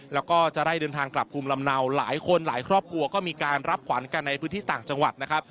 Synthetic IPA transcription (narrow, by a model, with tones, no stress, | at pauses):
lɛː˦˥wkɔː˥˩t͡ɕa˨˩da˥˩jdɤː˧nt̪ʰaː˧ŋkla˨˩p̚ʰːuː˧mla˧mna˧wla̰ː˩˦jkʰo˧nlaː˩˦jkʰɾɔː˥˩p̚kʰɾu˧ɐkɔː˥˩miː˧kaː˧nɾa˦˥p̚kʰwa˩˦nka˧nːa˧jpʰɯː˦˥nt̪ʰiː˥˩t̪aː˨˩ŋt͡ɕa˧ŋwa˨˩t̪̚na˦˥kʰɾa˦˥p̚